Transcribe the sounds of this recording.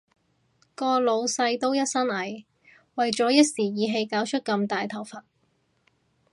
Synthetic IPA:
kɔː˧lo˨˧wsɐ˧jt̪o˥wjɐ˥t̚sɐ˥nɐ˨˥j | wɐ˨jt͡sɔː˨˥jɐ˥t̚siː˨˩jiː˨˥ɦe˧jkaː˨˥wt͡ʃʰɵ˥t̚kɐ˧mt̪aː˨jt̪ʰɐ˨˩wfɐ˨t̚

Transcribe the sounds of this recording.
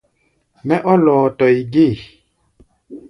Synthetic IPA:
mɛ˦ʔɔ˦lɔː˨tɔ˨i˨ɡe˦˨

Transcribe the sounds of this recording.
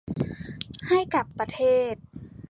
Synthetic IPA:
ha˥˩jka˨˩pːa˧t̪ʰeː˥˩t̪̚

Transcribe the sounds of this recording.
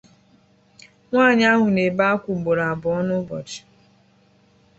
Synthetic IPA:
ŋʷaː˦˨ɲ˦a˦ɦʊ˨ne˨ba˦kʷʊ˨ɡ͡bo˨ɾa˨a˨bʊ˨˦ɔ˦nʊ˦bɔ̰˨d͡ʒɪ̥˨

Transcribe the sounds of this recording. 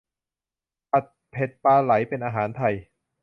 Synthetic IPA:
ʔa˨˩t̪̚pʰe˨˩t̪̚paː˧la˩˦jpe˧nʔaː˧ɦaː˩˦nt̪ʰa˧˩j

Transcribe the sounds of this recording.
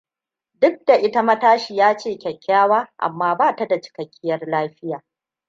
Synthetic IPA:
dʊ˦k̚da˨ʔɪ˦ta˦mɐ˦taː˦ʃi˨jaː˦t͡ʃeː˦˨kʲɛ˨kʲːaː˦waː˦ʔa̰˨mːaː˦baː˦˨ta˨da˨t͡ʃɪ̥˨kɐ˨kʲʰːɪ˦jɐ˦rlaː˦ɸɪ˦jaː˨

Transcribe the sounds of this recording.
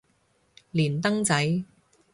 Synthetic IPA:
liː˨˩nt̪ɐ˥ŋt͡sɐ˨˥j

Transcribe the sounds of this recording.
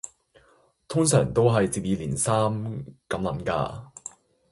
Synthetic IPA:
t̪ʰʊ˥ŋsœː˨˩ŋt̪o˥wɦɐ˨jt͡siː˨p̚jiː˨˧liː˨˩nsaː˥mkɐ˨˥mlɐ˨˥mka̰ː˧

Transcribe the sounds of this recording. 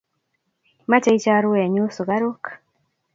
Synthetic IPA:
ma˦t͡ʃa˦i˦t͡ʃa˦ɾu˦wɛ˨ɲo˦so˨ɡa˦ɾo˦k

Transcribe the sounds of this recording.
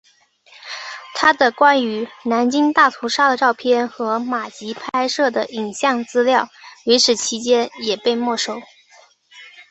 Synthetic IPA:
t̪ʰa˥d̪ə˨kwa˥ny˧˥na˧˥nt͡ɕi˥ŋt̪a˥˩t̪ʰu˧˥ʂa˥d̪ə˨ʈ͡ʂɑ˥˧ʊpʰjɛ˥˩nxɤ˧˥ma˨˩t͡ɕi˧˥pʰa˥ɪʂɤ˥˩d̪ə˩i˨˩nɕjɑ˥˧ŋt͡sɹ̩˥ljɑ˥˩ʊwi˧˥ʂɻ̩˨˩t͡ɕʰi˧˥t͡ɕjɛ˥njɛ˨˩pe˥˧ɪmwɔ˥˩ʂo˥˩˦ʊ

